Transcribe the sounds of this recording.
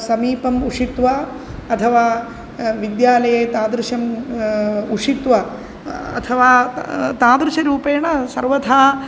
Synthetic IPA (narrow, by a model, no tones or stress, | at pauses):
sɐmiːpɐmuʂit̪ʋaː | ɐt̪ʰɐʋaː | ʋid̪jaːlɐjeːt̪aːd̪ɾɪʂɐm | uʂit̪ʋa | ɐ̰t̪ʰɐʋaːt̪aːd̪ɾɨʃɐɾuːpeːɳɐsɐɾʋɐt̪ʰaː